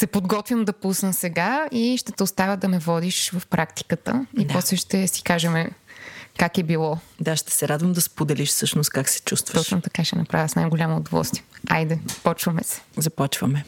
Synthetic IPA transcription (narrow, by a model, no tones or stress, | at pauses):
sɛpod̪ɡɔt̪vʲəmd̪ɐpusnəsɛɡaiʃt̪ɛt̪ɛʊst̪avʲəd̪ɐmɛvɔd̪iʃvɐfpɾʔakt̪i̥kət̪ə̰ipɔslɛʃt̪ɛsi̥kaʒɛmɛ | kakɛbilˠɔd̪aʃt̪ɛ̥sɛɾad̪vəmd̪ɐspod̪ɛliʃfsɤʃnʊst̪̚kaksɛ̥t͡ʃust̪vət̪ɔʃnot̪ɐkaʃɛnɐpɾa̰vjsna̰jɡʊlʲaməʊd̪ovɔ̰lˠst̪viɛa̰jd̪ɛpɔt͡ʃvɐmɛsɛ̥zɐpɔt͡ʃvɐmɛ